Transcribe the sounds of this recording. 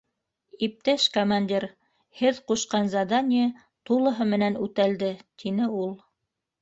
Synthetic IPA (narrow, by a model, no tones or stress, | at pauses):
ip̚t̪æʃkomanʲd̪ʲiɾ | hɘðquʃqɑnzɑd̪anʲɪjə | t̪ulˠɤ̆ɦɤmɘ̆nænʉt̪æld̪ɘt̪ʰinɘulˠ